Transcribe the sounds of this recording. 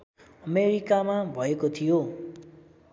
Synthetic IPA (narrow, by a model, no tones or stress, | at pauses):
ʌmeɾikamabʱʌekot̪ʰijo